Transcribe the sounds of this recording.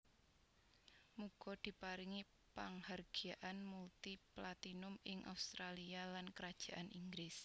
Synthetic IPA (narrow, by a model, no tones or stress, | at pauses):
muɡ̥ɔ̤d̪̥i̤paɾɪŋi | paŋharɡ̥iaʔanmult̪iplat̪inʊmɪŋʔa̰ust̪ɾalialankəɾad̥ʒ̥a̤ʔanʔiŋɡɾɪs